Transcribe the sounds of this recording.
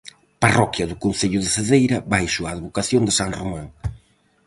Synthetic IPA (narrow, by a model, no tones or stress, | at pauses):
parɔkjɐðʊkonθeʎʊðɪseðejɾɐβajʃʊaːðβokaθjond̪ɪsaŋromãŋ